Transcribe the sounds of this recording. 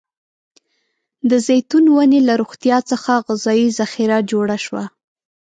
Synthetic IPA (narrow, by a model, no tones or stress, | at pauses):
d̪əzejt̪unwanelaɾoɣt̪jɑt͡səxaɣɪzɑjizaxiɾad͡ʒoɽaʃwa